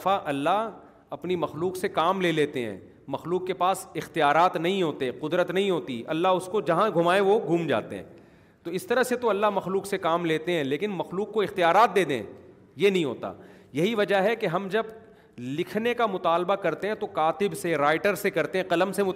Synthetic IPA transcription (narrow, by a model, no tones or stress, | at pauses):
faʔɐlːaɦ | ɐpnimɐxluːqsekaːmleːleːt̪eɦɛ̰̃ː | mɐxluːqːepaːsɪxt̪ijaːɾaːt̪nɐɦĩɦoːt̪eqʊd̪ɾət̪nɐɦĩɦoːt̪ḭɐ̰lːaɦʊskod͡ʒɐɦãɡʱʊmaːẽʋoɡʱuːmd͡ʒa̰ːt̪ḛɦɛ̰̃ː | t̪oɪst̪ɐɾəɦset̪oɐlːaɦmɐxluːqsekaːmleːt̪eɦɛ̃leːkɪnmɐxluːqːoɪxt̪ijaːɾaːt̪̚d̪eːd̪ḛ̃ | jenɐɦĩɦo̰ːt̪a̰ː | jɐɦiʋɐd͡ʒaɦɛkeɦɐmd͡ʒɐb | lɪkʰnekamʊt̪aːlbakɐɾt̪ẽɦɛ̃t̪okaːt̪ɪbseɾaːɪʈəɾsekɐɾt̪ẽɦɛ̃qɐləmsemʊ